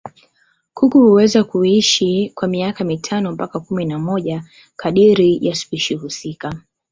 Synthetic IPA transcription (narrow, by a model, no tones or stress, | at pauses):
kukuhuwɛzakuiʃikwamiakamitʰanɔm̩pakakuminamɔʄa | kʰaɗiɾijaspiʃihusika